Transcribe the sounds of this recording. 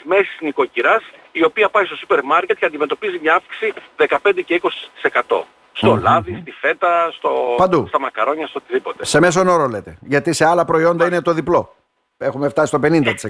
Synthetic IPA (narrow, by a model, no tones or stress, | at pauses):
mesi̥zniko̞ciɾɐsio̞piɐpɐist̪o̞supeɾmɐɾcet̪̚ceɐnd̪imet̪o̞pizimɲɐɐfki̥siðe̞kɐpend̪ece̞iko̞si̥t̪i̥se̞kɐt̪o̞̰ | st̪o̞lɐðist̪ife̞t̪ɐst̪opɐnd̪ust̪ɐmɐkɐɾo̞ɲɐst̪ot̪iðipo̞t̪e̞se̞me̞s̬o̞no̞ɾole̞t̪e̞ʝɐt̪ise̞ɐlɐpɾo̞io̞nd̪ɐine̞t̪o̞ðiplo̞ | e̞xume̞ft̪ɐsist̪ope̞nind̪ɐt̪i̥se